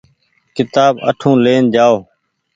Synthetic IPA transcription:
kɪt̪aːbə̰ʈʰũːleːnd͡ʒaːoː

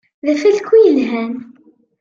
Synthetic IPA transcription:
ðæfælkːujəlɦæn

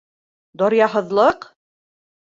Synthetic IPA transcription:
d̪ɒɾjɑɦɤ̆ðlˠɤq

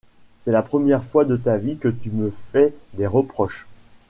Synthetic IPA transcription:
sɛlapχəmjɛʁfwad̪ət̪avikət̪yməfɛd̪eʁəpχɔʃ

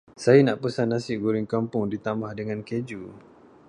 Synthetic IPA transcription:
sajanãʔpəsanːasɪʔɡuɾɪŋkampʊŋdit̪amahdəŋãnked͡ʒu

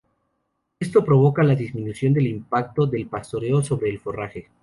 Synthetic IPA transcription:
est̪o̞pɾo̞β̞o̞kalaðizmĩnusjo̞nd̪e̞limpak̚t̪o̞ðe̞lpast̪o̞ɾe̞oso̞βɾe̞ːlfo̞raxe

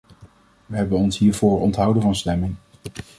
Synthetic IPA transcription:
ʋəɦɛbənɔnsɦiːɹvoːɹɔntɦʌwdənvɑnstɛmɪŋ

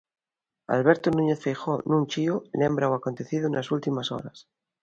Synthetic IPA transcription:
a̰lβeɾt̪onũɲeθfejxonũnʲt͡ʃiolẽmbɾawako̞nt̪eθiðoenasult̪imaso̰ɾas

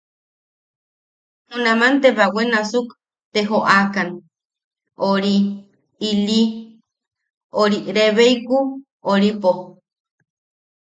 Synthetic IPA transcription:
hunamant̪eβawenasuk | t̪eɦoʔakan | oɾi | ili | oɾiɾeβeiku | oɾipo

